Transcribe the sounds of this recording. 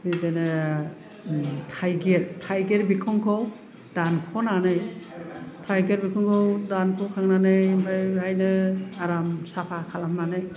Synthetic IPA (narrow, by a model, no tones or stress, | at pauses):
bidenɯ | tʰajɡeɾtʰajɡeɾbikʰɔŋkʰɔw | d̥ankʰɔnanɯj | tʰajɡeɾbikʰɔŋkʰɔwdankʰɔwkʰaŋnanɯjbʰajhajnɯaɾamsapʰakʰalamnanɯj